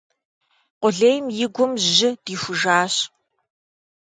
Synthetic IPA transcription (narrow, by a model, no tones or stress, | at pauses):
qʷʊɮeːjmjɪɡʷʊmʑɪd̥iːxʷʊʒaːɕ